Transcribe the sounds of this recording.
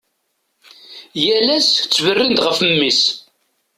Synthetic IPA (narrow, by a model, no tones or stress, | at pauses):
jælæst͡sːvərːind̪ʁəfəmːis